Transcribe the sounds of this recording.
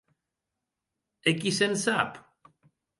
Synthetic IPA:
ɛkisɛnsap

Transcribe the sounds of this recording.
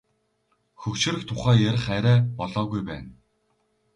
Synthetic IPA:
xɵkt͡ɕɘ̆ɾɘ̆kt̪ʰʊχæːjæɾʲɪ̆χæɾæːpɔɮɔːɣujpæːn

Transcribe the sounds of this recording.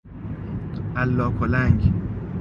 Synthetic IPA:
ʔælːɒːkʰolæŋɡ

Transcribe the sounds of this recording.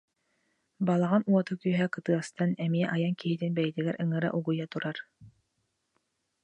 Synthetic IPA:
balˠaʁanuɔt̪ɯkyɦɛkɯt̪ɯɐst̪anɛmiɛʔajaŋkiɦit̪inbɛjt̪iɡɛɾʔɯŋɯɾa̰ʔuɡujat̪uɾaɾ

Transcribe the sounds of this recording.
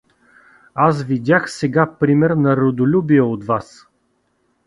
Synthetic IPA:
as̬vid̪ʲaxsɛɡapɾimɛɾnɐɾod̪olʲubiɛot̪vas

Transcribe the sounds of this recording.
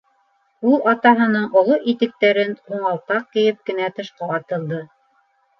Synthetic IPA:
ulˠɑt̪ɑɦɤ̆nɤɴʔŏlˠoʔit̪ɘ̆k̚t̪æɾɘnquɴɑlˠt̪ɑq̚kɘ̆jɘp̚kɘ̆næt̪ɤ̆ʃqɑɑt̪ɤ̆lˠd̪ɤ

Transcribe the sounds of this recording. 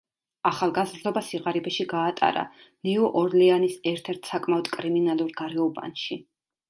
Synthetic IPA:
aχalˠɡazɾd̪ɔbasiʁaɾibɛʃiɡaːt̪ʼa̰ɾa̰ | niuʔɔɾlɛanisɛɾt̪ʰɛɾt̪ʰsakʼmaɔd̪̥kʼɾiminalˠuɾɡaɾɛɔba̰nʃi

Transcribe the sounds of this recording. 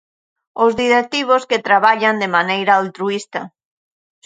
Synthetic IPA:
ʊzðiɾek̚t̪iβ̞osket̪ɾaβaʎand̪emanejɾaalt̪ɾuist̪ɐ

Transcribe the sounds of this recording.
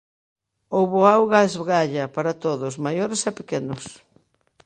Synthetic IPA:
owβoawɣaezβɡaʎɐpaɾɐt̪oðʊsmajoɾesɛpekenʊs

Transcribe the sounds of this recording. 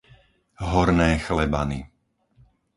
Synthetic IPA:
ɦɔɾnɛːxlɛba̰ni

